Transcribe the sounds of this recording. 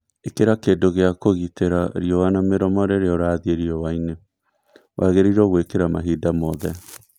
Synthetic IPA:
ekeɾakedoɣeakoɣiteɾaɾiɔwanameɾɔmɔɾeɾeɔɾaːðieɾiɔwaine | wʔaɣeɾiɾɔɣwekeɾama̰ɦiːdamɔðɛ

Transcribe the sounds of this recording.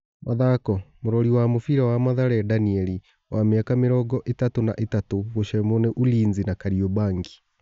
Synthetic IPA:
maðakɔmoɾɔɾiwamofiɾawamaðaɾɛadaniɛli | wameakameɾɔɡɔʔetatona̰ʔetatoɣoʃɛmonɛʔuliːnzinakaɾiɔbaːŋɡi̥

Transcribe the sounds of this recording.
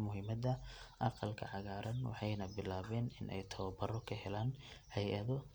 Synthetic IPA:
mʊɦɪmɐðɐʔɑqɑlkʰɐ̰ʕɑɣaːɾʔɐnwɑ̰ħɑjnɐbɪlaːβɛːnɪnʔɛ̰jt̪ʰɐβɐbɐrɔkʰɐɦɛlaːnhɛjʔɐðɔ

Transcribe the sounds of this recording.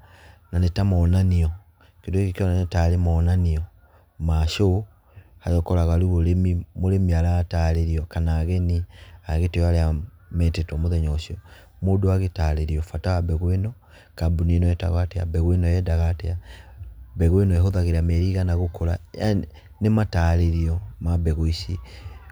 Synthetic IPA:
nanetamɔnaniɔ | kendoeɣekiɔnanetaɾemɔnaniɔ | maʃo | hajɔkɔɾaɣwaluβolemimoɾemiaɾataɾeɾiɔkanaːɣɛniaɣetejaɾeamɛtetɔmoðɛɲɔʃiɔ | modoaɣetaleɾiɔfatawabɛɣwenɔ | kabuninɔɛta̰ɣatea̰bɛɣwenɔjɛdaɣatea | bɛɣwenɔɛhoðaɣeɾamɛɾiɣanaɣokoɾa̰ja̰ | nemataɾeɾiɔmabɛɣoisi

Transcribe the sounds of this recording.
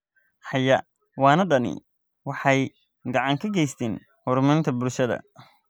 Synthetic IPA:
ħɑjɐ | wɑːnɐɖɐnɪ̰ | wɑħɑj | ɡɑʕɑŋkʰɐɡɛjst̪ʰɛːn | hʊɾmɐɾɪnt̪ʰɐbʊlʃɐðɐ̰

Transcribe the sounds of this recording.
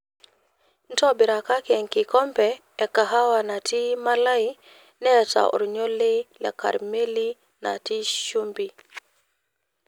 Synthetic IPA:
ntobiɾakakeŋkikɔmpɛː | kaɦawanatimalai | nɛta̰ʔṵɾɲolilḛka̰ɾmeli | na̰tiʃumbi

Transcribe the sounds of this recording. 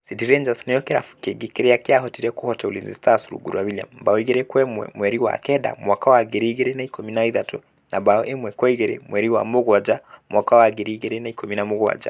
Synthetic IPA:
sidiɾɛnd͡ʒasnɛjɔkɛɾa̰fu̥kɛɡikɛɾɛakiaɦɔtiɾɛkɔhɔtɛulḭnzḭstasuɾṵɡṵɾuawilia̰mbaɔiɣɛɾɛkwɛmɛ̰mwɛɾiwa̰kɛda̰mwakawaɡɛɾiɣɛɾɛnaikɔminaiðatɔ | nʔabaɔʔɛmwɛkwɔiɣɛɾɛ̰mwɛɾiwamuɣwad͡ʒamwʔakawaɡɛɾiɣɛɾɛnaikɔminamuɣwa̰d͡ʒa̰

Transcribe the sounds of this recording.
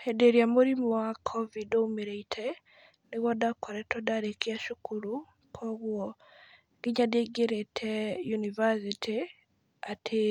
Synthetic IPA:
edeɾjamuɾimɔwakʰovidoumiɾeitʰe | niɣodakʰoɾɛtodaɾekiaʃukʰuɾu | kʰoɣwo | ɡ̥iɲadeɡeɾetʰejunivasitʰi | atʰe

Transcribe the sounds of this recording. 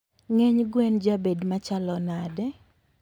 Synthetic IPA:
ŋɛɲɡwɛnd͡ʒabedmat͡ʃalɔnadɛ

